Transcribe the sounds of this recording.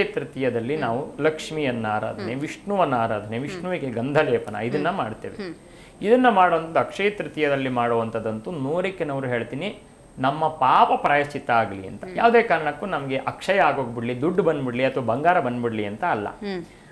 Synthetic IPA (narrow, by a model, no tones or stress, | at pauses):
t̪ɾit̪ijɐd̪ɐlːinaːʋulɐkʂmijɐnːaːɾa̰ːd̪ʱɐneʋiʂɳuʋɐnːaːɾa̰ːd̪ʱɐneʋiʂɳuʋikeɡɐnd̪ʱɐlɛːpɐnɐ̰id̪ɐnːɐmaːɖt̪ḛːʋe | id̪ɐnːɐmaːɽɐʋɐnt̪ɐd̪uɐkʂejt̪ɾit̪ijɐd̪ɐlːimaːɽoʋɐnt̪ʰɐd̪ɐnt̪unoːɾikːenɐʋɐɾuɦeːɭt̪iːni | nɐmːɐpaːpɐpɾaːjɐst͡ʃːit̪ɐaːɡɐlḭɐ̰nt̪ɐjaːʋud̪eːkaːɾɐɳɐkːunɐmɐɡe̞ʔɐkʂɐjɐaːɡoːɡbiɽlid̪uɖːbɐnd̪biɽliɐt̪ʋɐbɐŋɡaːɾɐbɐnd̪biɽliɐnt̪ɐːlːɐ̰